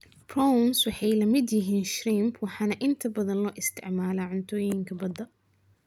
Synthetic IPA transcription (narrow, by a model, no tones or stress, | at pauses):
prɔmswɑħɑjlɐmɪd̪jɪɦiːnʃɾimpʰwɑħɑːnɐʔɪnt̪ʰɐbɐðɐnlɔːʔɪst̪ʰɪ̰ʕmaːlaːʕʊnt̪ʰɔːjɪŋkʰɐbɐd̪ɐ